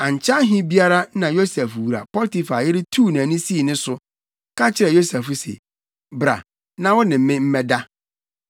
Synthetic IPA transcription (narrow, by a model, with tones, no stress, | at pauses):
ã˨ɲ˨t͡ɕʰa˦ɦĩ˦bi˦a˦ɾa˦nã˨jo˦sɛ˨fwu˨ɾa̰˨pɔ˦lti˨fa˨jɪ˦ɾɪ˦tʰuː˦nã˨nĩ˦si˦˨nɪ̃˦sʊ˦ | kʰa˦t͡ɕʰɪ˦ɾɛ˨jo˦sɛ˨fʊ˦sɛ̰˨ | bɾa̰˨ | nã˨wɔ˦nɪ̃˨m̩˦mɪ̃˦m̩˦mɛ˦da˦